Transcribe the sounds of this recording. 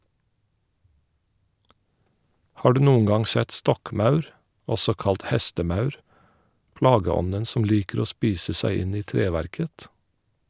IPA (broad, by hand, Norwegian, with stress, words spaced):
ˈhɑː ˈɖʉː ˈnuːʊŋ ˈɡɑŋ ˈsɛt ˈstɔkˌmɑʉɾ ˈɔsɔ ˈkɑlt ˈhɛstəˌmɑʉɹ ˈpɽɑːɡəˌɔnən ˈsɔm ˈliːkəɾ ˈoː ˈspiːsə ˈsæɪ ˈɪn ˈiː ˈtɹeːʋæɾkət